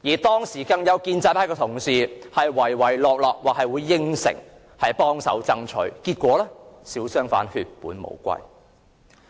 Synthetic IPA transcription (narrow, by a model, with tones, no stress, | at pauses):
jiː˨˩t̪ɔː˥ŋsiː˨˩kɐ˧ŋjɐ˨˧wkiː˧nt͡saː˧pʰaː˥kɛː˧t̪ʰʊ˨˩ŋsiː˨˩hɐ˨jwɐ˨˩jwɐ˨˩jlɔː˨k̚lɔː˨k̚waː˨hɐ˨jwuː˨˧jːɪ˥ŋsɪ̰˨˩ŋ | hɐ˨jpɔː˥ŋsɐ̰˨˥wt͡sɐ˥ŋt͡ʃʰɵ̰˨˥ɥkiː˧t̚kʷɔː˨˥lɛː˥siː˨˥wsœː˥ŋfa̰ː˨˥nhyː˧t̚puː˨˥nmo̰˨˩wkʷɐ̰˧j